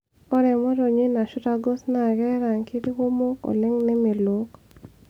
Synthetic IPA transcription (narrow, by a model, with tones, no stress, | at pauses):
ɔ˦ɾɛ˨mɔ˦ɾo˨ɲi˦na˨ʃʊ˦ɾa˦ɡo˦sna˨ɡɛ˦ɾa˨ŋki˦di˦wo˦mo˦kɔ̰˨lɪ˦ŋnɛ˦me˨lo˦k